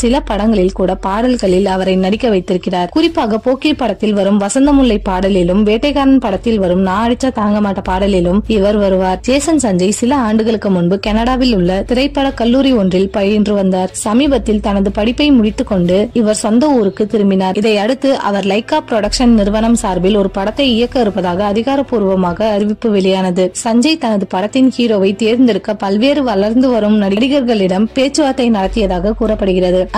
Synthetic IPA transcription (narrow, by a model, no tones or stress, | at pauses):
sɪlɐpɐɽɐŋɡɐɭɪlkuːɽɐpaːɽɐlɣɐɭɪlɐʋɐɾɐɪnɐɽɪkːɐʋɐɪt̪ːɪɾɯkːɪraːɾkʊrɪpːaːɣɐpoːkɪpːɐɽɐt̪ːɪlʋɐɾɯmʋɐsɐnd̪ɐmʊɭːɐɪpːaːɽɐlɪlɯmʋeːʈːɐɪɣaːɾɐnpɐɽɐt̪ːɪlʋɐɾɯmnaːɐɽɪt͡ʃːɐt̪aːŋɡɐmaːʈːɐpaːɽɐlɪlɯmɪʋɐɾʋɐɾɯʋaːɾd͡ʒeːsɐnsɐɲd͡ʒɐɪsɪlɐaːɳɖɯɣɐɭɯkːɯmʊnbɯkɐnɐɽaːʋɪlʊɭːɐt̪ɪɾɐɪpːɐɽɐkɐlːuːɾiɔndrɪlpɐjɪndrɯʋɐnd̪aːɾsɐmiːbɐt̪ːɪlt̪ɐnɐðɯpɐɽɪpːɐɪmʊɽɪt̪ːɯkːɔɳɖɯɪʋɐɾsɔnd̪ɐuːɾɯkːɯt̪ɪɾɯmbɪnaːɾɪðɐɪɐɽɯt̪ːɯʔɐ̰ʋɐɾlɐɪkaːpːɾɔɽɐkʂɐnnɪɾɯʋɐnɐmsaːɾbɪlɔɾɯpɐɽɐt̪ːɐɪɪjɐkːɐɪɾɯpːɐðaːɣɐːðɪɣaːɾɐpuːɾʋɐmaːɣɐːɾɪʋɪpːɯʋɪɭɐjaːnɐðɯsɐɲd͡ʒɐɪt̪ɐnɐðɯpɐɽɐt̪ːɪnhiːɾoːʋɐɪt̪iːɾnd̪ɪɾɯkːɐpɐlʋeːɾɯʋɐɭɐɾnd̪ɯʋɐɾɯmnɐɽɪɽɪɣɐɾɣɐɭɪɽɐmpeːt͡ʃːɯʋɐːt̪ːɐɪnɐɽɐt̪ːɪjɐðaːɣɐkuːɾɐpːɐɽɯɣɪrɐðɯ